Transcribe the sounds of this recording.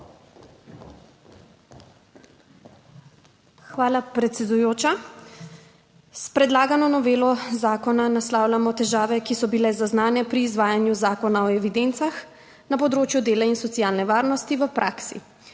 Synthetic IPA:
xʋaːlapɾɛt̪sɛd̪ujoːt͡ʃa | spɾɛd̪laːɡanɔnɔʋeːlɔzaːkɔnanaslaːwlʲamɔt̪ɛʒaːʋɛkisɔbilɛzaznaːnɛpɾiːzʋaːjanjuzaːkɔnaɔɛʋid̪ent̪sax | napɔd̪ɾoːt͡ʃjud̪eːlainsɔt̪sijaːlnɛʋaːɾnɔst̪iʋəpɾʔaːksḭ

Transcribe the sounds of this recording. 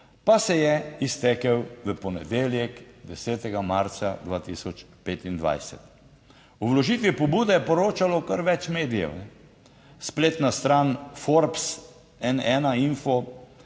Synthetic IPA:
pasɛjɛist̪ɛkɛwʋəpɔnɛd̪eːljɛkd̪ɛsɛːt̪ɛɡamaɾt̪sad̪ʋaːt̪isɔt͡ʃpeːt̪ind̪ʋa̰jsɛ̰t̪ | uʋlɔʒiːt̪ʋipɔbuːd̪ɛjɛpɔɾoːt͡ʃalɔkəɾʋɛt͡ʃmeːd̪ijɛ̰wnɛ | spleːt̪nast̪ɾaːnfɔɾps | ɛnɛnainfɔ

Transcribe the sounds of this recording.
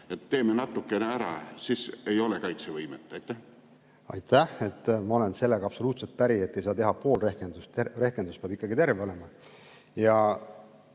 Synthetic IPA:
et̪ːe̞ːmenɑt̪ːˑukːˑeneæɾɑ̰sisejo̞lekɑjt̪sevɤjmet̪ːˑɑjt̪ːˑæh | ɑ̰jt̪ːæhe̞t̪ːmɑo̞le̞nse̞lːeɡɑpso̞luːt̪se̞lt̪̚pæɾie̞t̪ːe̞jsɑːt̪e̞ɦɑpo̞ːlrehkend̪ust̪t̪ere̞hkend̪uspeɑbikːˑɑɡit̪e̞rve̞olemɑ | jɑ

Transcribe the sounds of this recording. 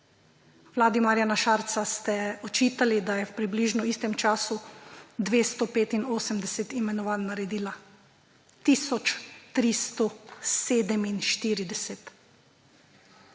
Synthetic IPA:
wlaːd̪imaːɾjanaʃaːɾt̪sast̪ɛɔt͡ʃiːt̪alid̪ajɛwpɾibliːʒnɔiːst̪ɛmt͡ʃaːsud̪ʋeːst̪ɔpeːt̪inoːsəmd̪ɛsɛt̪imɛnɔʋaːnnaɾɛd̪iːla | t̪iːsɔt͡ʃt̪ɾist̪ɔseːd̪ɛminʃt̪iːɾid̪ɛsɛt̪

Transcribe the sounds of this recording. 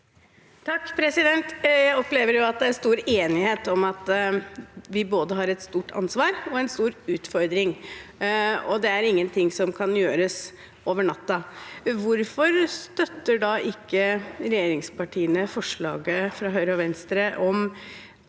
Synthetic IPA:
t̪ʰɑkːpʰɾɛsɪd̪ɛnt̪jæɪɔpleːʋəɾjʊɑt̪̚d̪ɛæɾst̪uːɾeːnɪheːt̪ɔmɑt̪ | ʋɪboːd̪əɦɑɾɛt̪st̪uːʈʰɑ̰nsʋɑːɾɔɛnst̪uːɾʉːt̪fɔɾd̪ɾɪŋ | ɔd̪ɛæɾɪŋːənt̪ʰɪŋsɔmkʰɑnjøːɾəs | ʔoːʋəɳɑt̪ːɑʋʊɾfɔɾst̪œt̪ːəɖɑʔɪkːəɾɛjeːɾɪŋspɑʈʰiːənəfɔʂɭɑ̰ːɡəfɾɑːɦœʏɾəɔʋɛnst̪ɾəʔɔm

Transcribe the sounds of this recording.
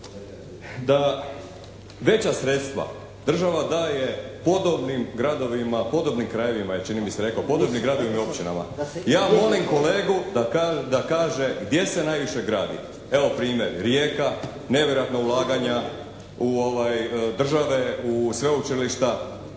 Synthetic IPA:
d̪a | ʋe̞t͡ɕasɾe̞t̪st̪ʋa̰ | d̪r̩ʒaʋad̪aːje̞po̞d̪obnimɡɾad̪o̞ʋimapo̞d̪o̞bnimkɾaje̞ʋimaet͡ʃinimiseɾe̞kopo̞d̪obniɡɾad̪o̞ʋimio̞pt͡ɕina̰ma̰jaːmo̞limko̞leːɡud̪akad̪akaːʒe̞ɡd̪je̞se̞naːjʋiʃe̞ɡɾaːd̪ḭ | e̞ʋo̞pɾiːmje̞ɾɾjeːka | ne̞ʋjeɾojat̪naulˠaːɡaɲa | uoʋajd̪r̩ʒaʋe̞usʋe̞ut͡ʃiliʃt̪a

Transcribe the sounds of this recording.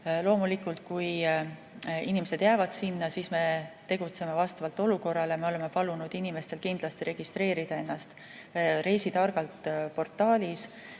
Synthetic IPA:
lo̞ːmulikːˑult̪̚kuj | inime̞se̞d̪̥jæːvɑd̪̥sinːɑsisme̞t̪e̞ɡ̥ut̪se̞mevɑst̪ɑvɑlt̪ːo̞luko̞rːɑleɑme̞o̞le̞me̞pɑlunud̪̥inime̞st̪e̞lkind̪̥lɑst̪iɾe̞ɡ̥ist̪ɾe̞ːɾid̪̥ɑe̞nːɑst̪ | ɾe̞jsit̪ɑrɡ̥ɑlt̪po̞rt̪ːˑɑːlʲis

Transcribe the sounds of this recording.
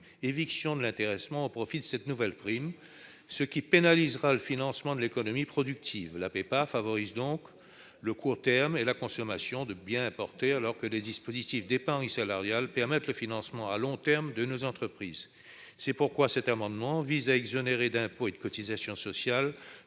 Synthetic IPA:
eviksjɔ̃d̪əlɛ̃t̪eʁɛsmɑ̃opχɔfid̪əsɛt̪nuvɛlpχim | səkʲipenalizʁaləfinɑ̃smɑ̃d̪əlekɔnɔmipχɔd̪yk̚t̪ʰivlapepafavɔʁizd̪ɔ̃k | ləkuʁt̪ɛʁmelakɔ̃sɔmasjɔ̃d̪əbjɛ̃ɛ̃pɔʁt̪ealɔʁkəled̪ispozit̪ifd̪epɑ̃ʁisalaʁjalpɛʁmɛt̪ləfinɑ̃smɑ̃alɔ̃t̪ɛʁmd̪ənozɑ̃t̪χəpχiz | sɛpuʁkwasɛt̪amɑ̃d̪mɑ̃vizaɛɡzɔneʁed̪ɛ̃poed̪əkɔt̪izasjɔ̃sɔsjal

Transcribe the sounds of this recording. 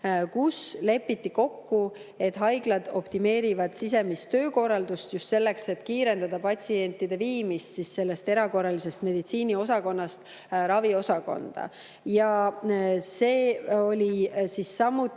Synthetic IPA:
kusle̞pːit̪ːiko̞kːu | e̞t̪ɦɑjɡ̥lɑd̪̥o̞̰pt̪ime̞ːɾivɑd̪̥sis̬e̞mist̪ːø̞ːko̞rɑld̪̥ust̪just̪se̞lːe̞kse̞t̪kiːɾe̞nd̪̥ɑd̪ɑpɑtsie̞nʲt̪ːˑid̪e̞viːmist̪sisse̞lːe̞st̪e̞ɾɑko̞rːɑlise̞st̪me̞d̪̥it̪siːnʲio̞sɑko̞nːɑst̪ | ɾɑvio̞sɑko̞̰nd̪̥ɑ̰ | jɑ | se̞ːo̞lʲisisːɑmːut̪ː

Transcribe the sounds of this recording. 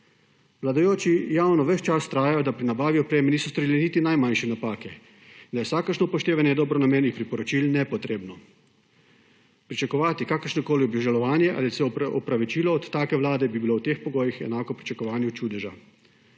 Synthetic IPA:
ʋlad̪ajoːt͡ʃijawnɔʋɛʃt͡ʃast̪ɾaːjajɔd̪apɾinabaːʋiɔpɾeːmɛniːsɔst̪oɾiːlɛnit̪inajmanʃɛnapaːkɛ | ind̪ajɛwsaːkəɾʃnɔpɔʃt̪eːʋanjɛd̪ɔːbɾɔnameːnixpɾipɔɾɔt͡ʃilnɛpɔt̪ɾeːbnɔ | pɾit͡ʃakɔʋaːt̪ikaːkəɾʃnɔkoːliɔbiʒalɔʋaːnjɛʔa̰lisɛɔpɾaʋit͡ʃiːlɔːt̪ːaːkɛʋlaːd̪ɛbibiloːwt̪eːxpɔɡoːjixɛ̰naːkɔpɾi̥t͡ʃakɔʋaːnjut͡ʃuːd̪ɛʒa̰

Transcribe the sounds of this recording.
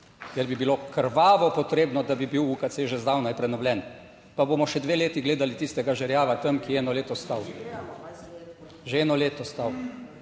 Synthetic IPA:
kɛɾbibiloːkəɾʋaːʋɔpɔt̪ɾeːbnɔd̪abibiwukat̪seːʒɛzd̪aːwnajpɾɛnɔwlʲɛn | paboːmɔʃɛd̪ʋeːleːt̪iɡleːd̪alit̪ist̪ɛɡaʒɛɾjaːʋat̪əmkijɛɛːnɔleːt̪ɔst̪aw | ʒeɛːnɔleːt̪ɔst̪aw

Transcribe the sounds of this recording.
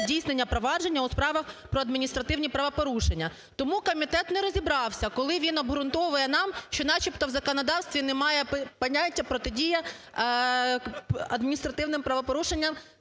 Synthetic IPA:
dʲijsnenʲːɐpɾɔʋɑd͡ʒe̞nʲːɐʊspɾɑʋɐxpɾɔɐd̪mʲinʲist̪ɾɐt̪ɪwnʲipɾɐʋɔpɔɾuʃenʲːɐ | t̪ɔmukɔmʲit̪ɛt̪nɛɾɔzʲibɾɑwsʲɐkɔlˠɪʋʲinɔbɦɾʊnt̪ɔʋɐjɛnɑmʃt͡ʃɔnɑt͡ʃipt̪ɔwzɐkɔnɔd̪ɑwst̪ʋʲinɛmɑjɛppɐnʲatʲːɐpɾɔt̪ɪdʲijɐ | ɐd̪mʲinʲist̪ɾɐt̪ɪwnɪmpɾɐʋɔpɔɾuʃenʲːɐm

